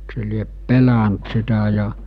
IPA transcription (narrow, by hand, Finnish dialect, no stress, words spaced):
se liep pelæ̠nt sitæ jɑ